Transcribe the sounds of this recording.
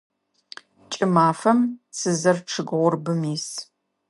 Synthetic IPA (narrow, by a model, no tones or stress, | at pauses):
t͡ʃʼɪmaːfɐmsɨzɐrʈ͡ʂʰɨɡʁʷʊrbɨmiːs